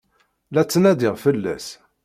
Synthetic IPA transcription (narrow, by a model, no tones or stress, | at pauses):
læt͡sːnæd̪ɪʁfəlːæ̰s